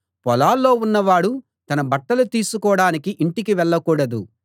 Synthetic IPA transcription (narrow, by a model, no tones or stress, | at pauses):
pɔlaːlːo̞ːunːɐʋaːɽu | t̪ɐnɐbɐʈːɐlut̪iːsukɔːɽaːnikiʔiɳʈikiʋɛɭːɐkuːɽɐd̪u